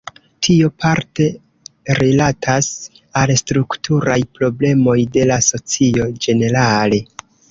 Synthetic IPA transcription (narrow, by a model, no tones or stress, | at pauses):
tʰio̞pʰaɾte̞ | ɾilatʰas | alstɾuktuɾajpɾo̞ble̞mo̞jde̞laso̞t͡sio̞d͡ʒe̞ne̞ɾale̞